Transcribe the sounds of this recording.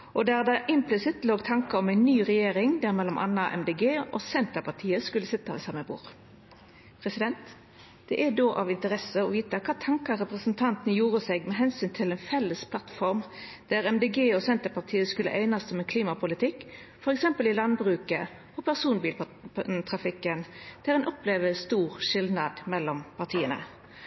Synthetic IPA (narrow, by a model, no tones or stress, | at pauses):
ʔɔd̪æʁd̪ɑʔɪmplɪsɪt̪loːɡt̪ʰɑŋkəɔmɛɪnːyːʁɛjeːʁɪŋd̪æʁmɛlːɔmʔɑ̰nːɑʔɛ̰md̪eːɡeːɔsɛnt̪əpʰɑʁt̪ʰiːəskʉlːəsɪt̪ːɑʋɛsɑmːəbṵːʁ | pʰʁɛsɪd̪ɛnt̪ | d̪̥ɛʔæd̪oːʔɑʋɪnt̪əʁɛsəɔʋiːt̪ɑkʰɑːt̪ʰɑŋkɑɾɛpʁəsnt̪ʰɑnt̪ənəjuːʁəseːɡmɛɦɛnsyːnt̪ʰɪlɛnfɛlːəspʰlɑt̪fɔʁmd̪̥æʁɛmd̪eɡeːɔsɛnt̪əpɑt̪ʰiːəskʉlːə̰ʔæɪnɑsɔmɛnkʰliːmɑpʰʊlɪt̪ʰɪkː | fɔɾɛksɛmpəlɪlɑnbʁʉːkə | ɔpʰæʁsuːnbiːl | t̪ʰʁɑfɪkːənd̪̥ʰɪlɛnɔpleːʋəst̪uːʁʃɪld̪nɑd̪mɛlːɔmpʰɑʁt̪ʰiːənə̰